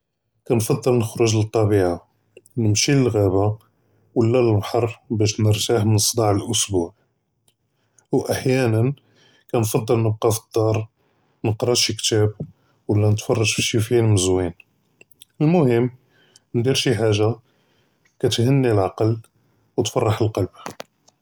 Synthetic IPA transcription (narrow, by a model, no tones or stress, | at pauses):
kænfɑd̪ˤːəlnəxɾʊʒlət̪ˤːɑbiʕa | nəmʃiləlɣæba | wəlːæləlbħɑrˤːbæʃnəɾt̪aħmənsˤd̪ɑʕəlʔʊsbuʕ | wʔaħjænən | kænfɑd̪ˤːəlnəb̚qɑfə̥d̪̥ˤːɑɾˤ | nəqɾˤɑʃikt̪æb | wəlːænət̪fɑrˤːɑʃfiʃifinməzwin | əlmʊhəmː | nd̪iɾʃiħaʒːa | kæt̪hənːilʕɑqɑl | wt̪fɑrˤːɑħəlqɑlb